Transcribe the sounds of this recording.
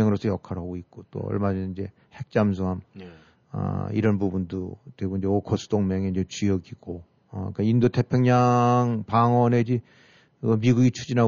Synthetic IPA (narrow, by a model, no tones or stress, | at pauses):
eŋɯɾosʰʌjʌkʰaɾɦaɡoik̚k͈ot͈o̰ʌ̰ɭmad͡ʑʌnind͡ʑe̞ | he̞k̚t͡ɕ͈ams̬ʰoɦam | ʌ̰ḭɾʌnbubundoteɡoind͡ʑe̞okʰosʰɯ̥doŋmeŋeind͡ʑe̞t͡ɕujʌɡiɡ̥o | ʌ̰k͈aindotʰe̞pʰjʌŋɲaŋpaŋwʌned͡ʑi | ʌmiɡuɡit͡ɕʰud͡ʑinɦa